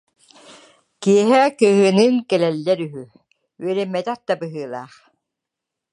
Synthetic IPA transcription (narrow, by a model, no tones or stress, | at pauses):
kiɛɦɛkœɦɯnɯŋkɛlɛlːɛɾyɦy | ɥɛɾɛmːɛt̪ɛq̚d̪abɯɦɯːlˠa̰ːχ